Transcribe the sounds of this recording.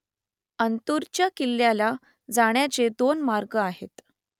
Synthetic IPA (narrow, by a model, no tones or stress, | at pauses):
ənt̪uɾt͡ɕjakilːjala | d͡zaɳ̃jat͡sed̪onmaɾɡəaɦḛt̪